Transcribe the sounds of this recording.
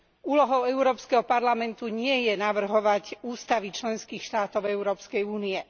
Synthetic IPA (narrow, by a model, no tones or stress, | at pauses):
uːlɔɦɔʊɛʊɾɔːpskɛɦɔpaɾlamɛnt̪uɲɪɛjɛnaʋr̩ɦɔʋacuːst̪aʋit͡ʃlɛnskiːxʃt̪aːt̪ɔʊɛʊɾɔːpskɛjuːnijɛ